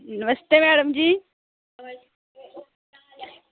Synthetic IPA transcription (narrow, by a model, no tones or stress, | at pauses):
nɪʋəst̪eːmɛːɽəmd͡ʑiː